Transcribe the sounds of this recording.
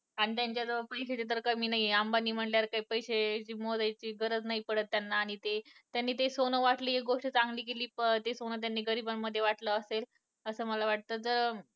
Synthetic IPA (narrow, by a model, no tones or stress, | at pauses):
aɽ̃it̪jaɲt͡ɕjad͡zəʋəpəjɕet͡ɕet̪̬əɾkəmiːnaɦiambaniːm̤əɳljaɾkaipəjɕet͡ɕiːmod͡z̪ajt͡ɕiːɡəɾəd͡znaipəɽət̪ːjanːaːɽ̃it̪et̪janːiːt̪esonəʋaʈliːekɡoʂʈt͡sãŋɡliːkeliːt̪esonat̪̬janːiːɡəɾibamːəd̪ʱːjeʋaʈləːsel | əsəːməlaʋaʈ̚t̪əːd͡zəɾ